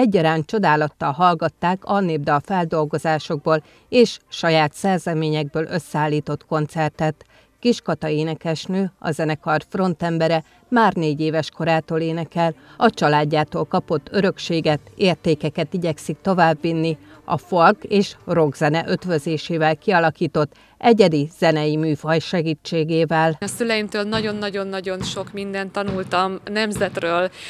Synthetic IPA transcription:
ɛɟːɒɾaːnt͡ʃo̞d̪aːlɒt̪ːɒlɦɒlɡɒt̪ːaːkɒneːbd̪ɒlfɛld̪o̞lɡo̞zaːʃo̞ɡ̚boːl | eːʃʃɒjaːt̪sɛrzɛmeːɲɛɡ̚bøːlʔø̞sːɛaːlːiːt̪o̞t̪ko̞nt̪sɛrt̪ɛt̪ | kiʃkɒt̪ɒeːnɛkɛʃnøːɒ̰zɛnɛkɒrfro̞nt̪ɛmbɛɾɛ | maːrneːɟeːvɛʃko̞ɾaːt̪oːleːnɛkɛlɒt͡ʃɒlaːɟːaːt̪oːlkɒpo̞t̪ːø̞ɾø̞kʃeːɡɛt̪eːrt̪eːkɛkɛt̪iɟɛksik̚t̪o̞vaːbːinːiɒ̰folɡeːʃro̞ɡzɛnɛʔø̞t̪vøzeːʃeːvɛlkiɒlɒkiːt̪o̞t̪ː | ɛɟɛd̪iz̥ɛnɛjimyːfɒjʃɛɡiːt͡ʃːeːɡeːvɛlɒsylɛjimt̪øːlnɒɟo̞nːɒɟo̞nːɒɟo̞nʃo̞kmind̪ɛnt̪ːɒnult̪ɒmnɛmzɛt̪røːl

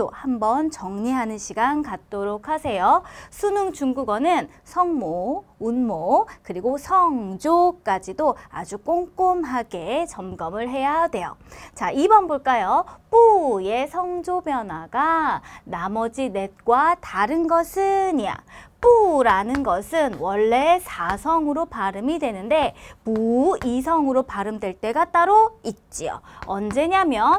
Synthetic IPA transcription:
ohambʌnt͡ɕʌŋɲiɦanɯnɕʰiɡankat̚t͈oɾokʰasʰe̞josʰunuŋt͡ɕuŋɡuɡʌnɯn | sʰʌŋmounmokɯɾiɡosʰʌŋd͡ʑok͈ad͡ʑidoa̰d͡ʑuk͈oŋk͈omɦaɡet͡ɕʌmɡʌmɯɭɦe̞jadwe̞jo̰t͡ɕaibʌnbuɭk͈ajop͈uje̞sʰʌŋd͡ʑobjʌnwaɡanamʌd͡ʑine̞t̚k͈wataɾɯnɡʌsʰɯɲija̰p͈uɾanɯnɡʌsʰɯnwʌɭːe̞sʰasʰʌŋɯɾopaɾɯmidwe̞nɯnde̞muisʰʌŋɯɾopaɾɯmdwe̞ɭt͈e̞ɡat͈aɾoit̚t͡ɕ͈io̰ʌnd͡ʑe̞ɲamjʌ

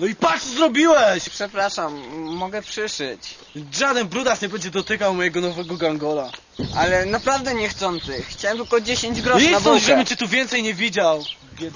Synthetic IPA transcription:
nɔipat̪ɔzɾɔbʲiwɛɕpʂɛpɾaʂamːɔɡɛpʂɘʂɘ̰t͡ɕ | ʐad̪ɛnbɾud̪asɲɛbɛɲd͡ʑɛd̪ɔt̪ɘkawmɔjɛɡɔnɔvɛɡɔɡaŋɡɔla | ʔalɛnapɾavd̪ɛɲɛxt̪sɔnt̪sɨxːt͡ɕawɛmt̪ɪlkɔd͡ʑeɕeɲd͡ʑɡɾɔʂɛaɔʒɛbɛnt͡ɕɛt̪uvʲjɛnt̪sɛjɲɛvʲid͡ʑaw

